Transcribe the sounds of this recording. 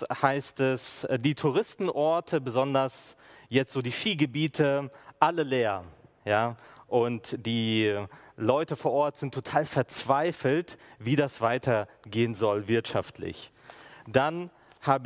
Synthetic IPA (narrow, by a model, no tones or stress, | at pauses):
haɪstɛsdiːtʰuʁ̞ɪstn̩ʔɔɐtʰəbəzɔndɐsjɛt͡stz̥oːdiːʃiːɡəbiːtʰəʔaləleːɐjaːʔʊntd̥iː | lɔʏtəfoːɐʔɔɐtz̥ɪntʰːotʰaːlfɛɐt͡sv̥aɪfl̩tviːdasv̥aɪtʰɐɡeːənzɔlvɪɐtʃaftʰlɪ̰ç | d̥an | haːbə